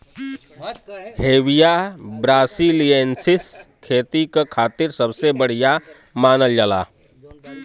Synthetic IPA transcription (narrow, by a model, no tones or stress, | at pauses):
heːʋijabɾaːsiliensɪskʰeːt̪ikakʰaːt̪ɪɾsəbsebəɽ̤ija | maːnəld͡ʒala̰ː